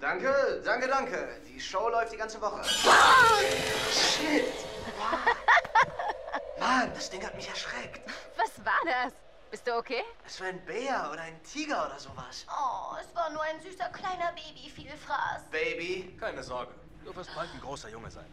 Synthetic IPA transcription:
d̥aŋkədaŋkədaŋkəd̥iːʃoʊlɔʏftd̥iːɡant͡səvɔχə̰ | ʃɪtː | mand̥asd̥ɪŋhatmɪçɛɐʃʁ̥ɛktv̥asvaːɐdas | b̥ɪstd̥uːokʰeːʔɛsv̥aːɐaɪnbeːɐoːɾɐaɪntʰiːɡɐoːɾɐzoːva̰sʔɔɛsv̥aːɐnuːɐaɪnzyːsɐkʰl̥aɪnɐbeːbifiːlfʁ̥a̰ːsb̥eɪbikʰaɪnəzɔɐɡə | d̥øɐfɛstb̥altn̩ɡʁoːsɐjʊŋə̰za̰ɪn

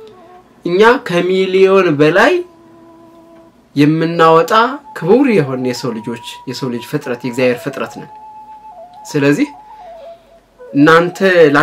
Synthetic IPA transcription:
ʔɨɲːakʰəmilio̞nbəlaj | ɛmːɨnːawɔt̪ʼakʰɨβɨwɾjɛɦo̞njɛsəwlɨd͡ʒo̞t͡ʃːjɛsəwlɨd͡ʒfɨt̪ʼɾət̪jɛɡzjaβheɾfɨt̪ʼɾət̪nə̰w | sɨləzːih | ʔɨnːant̪ʰəla

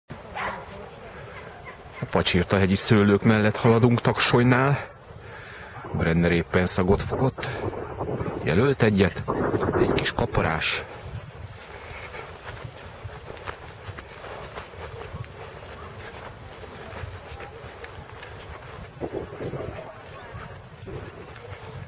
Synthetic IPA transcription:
ɒpɒt͡ʃirt̪ɒɦɛɟisøːløːkmɛlːɛt̪hɒlɒd̪uŋkt̪ɒkʃojnaːl | brɛnd̪ɛɾeːpːɛnsɒɡo̞t̪fo̞ɡo̞t̪ː | jɛ̰lølt̪ɛɟːɛt̪ɛckiʃkɒpoɾa̰ːʃ

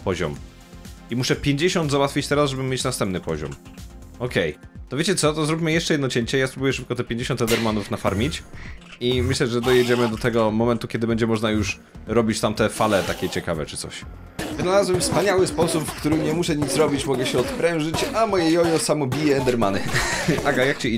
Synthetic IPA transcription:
pɔʑɔ̰m | imuʂɛpʲjeɲd͡ʑeɕɔnd̪zawat̪fʲit͡ɕt̪ɛɾazʐɛbɘmʲjet͡ɕnast̪ɛmp̚nɘpɔʑɔ̰mɔkɛjt̪ɔvʲjet͡ɕɛt̪sɔt̪ɔzɾup̬ʲmɘjɛʂt͡ʂɛjɛd̪nɔt͡ɕɛɲt͡ɕɛjaspɾubujɛʂɘp̚kɔt̪ɛpʲjeɲd͡ʑeɕ̬ɔnt̪ɛnd̪ɛɾmanufnafaɾmʲit͡ɕimɘɕlɛʐɛd̪ɔjɛd͡ʑɛmɘd̪ɔt̪ɛɡɔmɔmɛnt̪ukʲɛd̪ɘbɛɲd͡ʑɛmɔʐnajuʂ | ɾɔbʲit͡ɕt̪amt̪ɛfalɛt̪akʲɛt͡ɕɛkavɛ̰t͡ʂɨ̥t̪sɔ̰ɕ | vɘnalazwɛmfspaɲawɘspɔsupfkt̪uɾɘmɲɛmuʂɛɲit̪sɾɔbʲit͡ɕmɔɡɛɕɛɔt̪pɾɛ̃w̃ʐɘt͡ɕamɔjɛjɔjɔsamɔbʲijɛːnd̪ɛɾmanɘaɡajak̚t͡ɕɛi

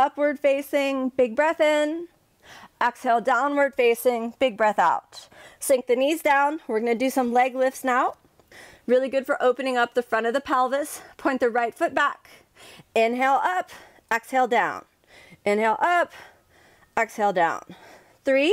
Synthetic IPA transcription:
ʌpwə˞d̥feɪsɪ̃ŋbɪɡ̚bɹɛθɪ̃n | ɛkshɛlˠdãʊ̃nwə˞d̥feɪsɪ̃ŋb̥ɪɡ̚bɹɛθaʊt̚sɪ̃ŋk̚ðɨnizdãʊ̃nwɨɹɡʌnɨdɨsʌ̃mlɛɡlɪfsnaʊ | ɹɪlˠiɡʊd̥fə˞ʔoʊpɨnɪ̃ŋʌp̚ðɨfɹʌ̃ɾ̃ʌvðɨpʰælˠvɨspʰɔ̃ɪ̃nðɨɹaɪtfʊt̚b̥æk | ɪ̃nɦɛlˠʌp | ɛkshɛlˠdãʊ̃n | ɪ̃nɦɛlˠʔʌp | ɛkshɛlˠdã̰ʊ̃n | θɹi

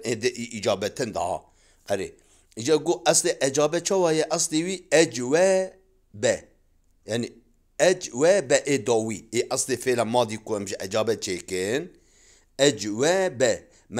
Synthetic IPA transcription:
ed̪ɨʔiʔid͡ʒɑːbɛt̪ʰɨnd̪ɑ̰hɑ̰ | qɛɾḛ | id͡ʒɑɡoʔɛst̪eʔɛd͡ʒɑːbɛt͡ʃʰɛwɑːjɛʔɑst̪ewiːɛd͡ʒwɛ | bɛ | jaːni | ɛd͡ʒwɛbɛʔed̪ɑːwieʔɐslefelamɑːd̪ikoɛmʒɪʔɛd͡ʒɑːbɛt͡ʃʰeːkɪn | ɛd͡ʒwɛbɛ | m

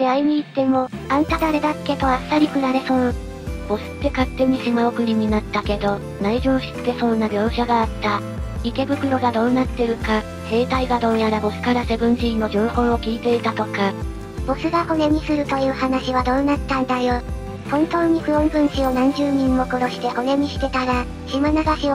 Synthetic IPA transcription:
d̪̥e̞aiɲ̟iːt̪ːe̞mo̞ãnt̪ad̪aɾe̞d̪ḁkːe̞t̪o̞asːaɾʲikɯ̟naɾe̞sõɰ | b̥o̞sɨ̥t̪ːe̞kat̪ːe̞ɲ̟iɕimaokɯ̟ɾʲiɲ̟inat̪ːake̞d̪o̞ | naiʑo̞ːɕi̥t̪ːe̞sõ̞nːabʲo̞ːɕaɡaːt̪ːa | ike̞bɯ̟kɯ̟ɾo̞ɡad̪o̞ːnat̪ːe̞ɾɯ̟ka | se̞ːt̪aiɡad̪o̞ːjaɾabo̞sɨ̥kaɾase̞bɯ̟̃ɲ̃ɕiino̞d͡ʑoːhõ̞ɰ̃o̞kʲiːt̪e̞it̪at̪o̞ka | b̥o̞sɨɡaho̞ne̞ɲ̟isɨɾɯ̟t̪o̞jɯ̟ːhanaɕiβad̪o̞ːnat̪ːãnd̪ajo̞ | hõ̞nt̪o̞ːɲ̟iɸɯ̟õ̞mbɯ̟̃ɲ̃ɕionãɲ̟d͡ʑɨːɲ̟ĩmːo̞koɾo̞ɕi̥t̪e̞ho̞ne̞m̟ʲiɕi̥t̪e̞t̪aɾa | ɕimanaɡaɕio

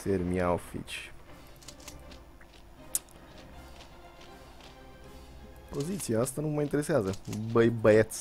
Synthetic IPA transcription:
seɾmiaofḭt͡ʃ | po̞zit̪siaast̪anumajint̪eɾeseazəbəjbəet̪s

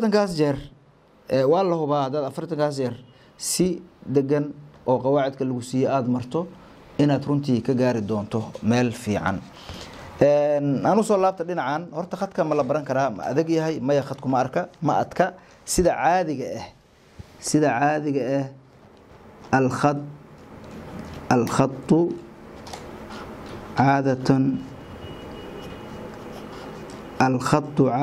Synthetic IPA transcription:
ft̪ʰɐŋkʰaːst͡ʃɛr | ʔɛːwɑːlɐɦʊβaːhɐd̪aːd̪ɐfɐrt̪ʰɐŋkʰaːs̬t͡ʃɛr | sɪd̪ɛɣɐnʔɔːqɑwaːʕɪd̪̚kʰɐlɐɣʊsiːjɛaːd̪mɐrt̪ʰɔ | ɪnaːd̪rʊnt̪ʰiːkʰɐɡaːɾɪd̪ɔːnt̪ʰɔmɛːlfḭːʕɑ̰n | ɛːnanʊsɔːlaːb̚t̪ʰɐɗɪnɑʕanhɔrt̪ʰɐχɐd̪kʰɐmɐlɐbɐɾɐŋkʰɐɾaːmɐ̰ʔɐ̰ðɪɡjɐɦɛjmɐjɐχɐd̪kʰʊmɐːrkʰɐmɐʔɐd̪kʰɐ | sɪðɐʕaːðɪɣɐʔɛh | sɪðɐʕaːðɪɣɐɛh | ɐlɑ | ɐlχɑt̪ˤːʊ | ʕaːðɐt̪ʰn | ɐlχɑt̪ˤːʊʕ

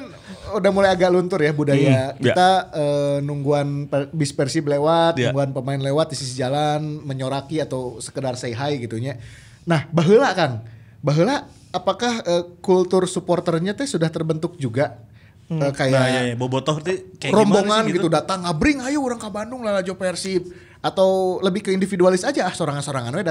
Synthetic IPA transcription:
kn | udamulajaɡaʔlunt̪ʊrjabudajakit̪aəːnuŋɡuanpbispərsiblewat̪̚nuŋɡuanpəmaɪnlewat̪̚isisd͡ʒalanməɲoɾakiat̪awsə̥kədarsaiɦajɡit̪uɲa | nahbaɦəlakan | baɦəlaː | pakahəːkult̪ʊrsupɔrt̪ərɲat̪ɛsudaht̪ərbənt̪ʊk̚d͡ʒuɡa | əkajabobot̪ɔht̪irɔmboŋanɡiudat̪aŋabɾɪŋajauɾaŋkabandʊŋlalad͡ʒopersib̚ | at̪awləbɪhkəindifidualɪsad͡ʒahsoɾaŋansoɾaŋanwɛa

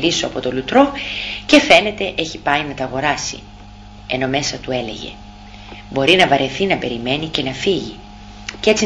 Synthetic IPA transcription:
ɾisoɐpo̞t̪o̞lut̪ɾo̞ce̞fe̞ne̞t̪e̞ʔeçipɐinɐt̪ɐːɣo̞ɾɐsḭ | e̞no̞me̞sɐt̪uele̞̰ʝe̞̰ | bo̞ɾinɐvɐɾʔe̞θinɐpe̞ɾime̞nice̞nɐfiʝi | cet͡si

